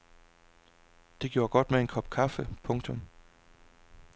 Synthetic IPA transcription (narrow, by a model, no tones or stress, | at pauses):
d̥e̝ɡ̥jo̝ːɐɡ̥ɒ̽d̥mee̝nkʰɒ̽b̥kʰɑfəpʰɔ̽ŋt͡sʰɔ̽m